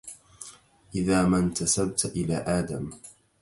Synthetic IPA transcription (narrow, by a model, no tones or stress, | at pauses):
ʔɪðaːmant̪asab̚t̪ʔɪlaːʔaːd̪am